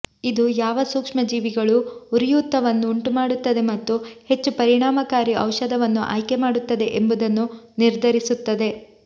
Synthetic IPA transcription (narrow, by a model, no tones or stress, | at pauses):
id̪ujaːʋɐsuːkʂmɐd͡ʒiːʋiɡɐɭuuɾijuːt̪ːɐʋɐnːuːɳʈumaːɽut̪ːɐd̪e̞mɐt̪ːuhe̞t͡ʃːupɐɾiɳaːmɐkaːɾiʔɐ̰wʃɐd̪ɐʋɐnːuʔa̰ːjke̞maːɽut̪ːɐd̪eʔembud̪ɐnːuniɾd̪ʱɐɾisut̪ːɐd̪e̞